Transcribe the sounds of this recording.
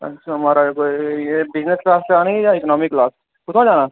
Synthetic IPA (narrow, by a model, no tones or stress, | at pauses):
ɐ̰ʃʰaɦɐmaːɾakoːijebɪd͡ʒnəsklaːst͡ʃaːnĩjãɪknɔːmɪkːlaːs | kʊt̪ʰãd͡ʒaːnaː